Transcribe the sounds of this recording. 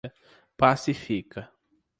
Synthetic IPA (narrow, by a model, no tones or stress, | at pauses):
ɐ | pasifikɐ